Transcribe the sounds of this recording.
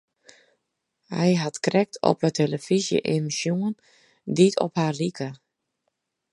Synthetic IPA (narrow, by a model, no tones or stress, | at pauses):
hɛ̰jɦatkrɛk̚tʰɔ̰pətʰeləfizjə̰ʔemisjuən | ditʰɔ̰phaːlikə